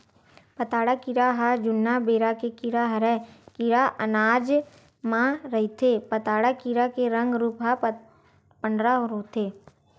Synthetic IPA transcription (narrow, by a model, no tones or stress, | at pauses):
pət̪aːɽakiɾaɦad͡ʒʊnːabeːɾakekiɾaɦɐɾɛkiɾaʔənaːd͡ʒ | mãɾɐɦit̪ʰepət̪aːɽakiɾakeɾə̃ŋɡɾuːpɦa | pəɳɖɾaɦɾot̪ʰeː